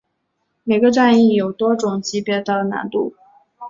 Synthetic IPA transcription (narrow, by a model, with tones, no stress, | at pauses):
me˨˩ɪɡə˧ʈ͡ʂa˥˧ni˥˩jo˨˩ʊt̪wɔ˥ʈ͡ʂʊ˨˩ŋt͡ɕi˧˥pjɛ˥˧t̪ɑ˥˩ʊlə˩na̰˧˥nt̪u˥˩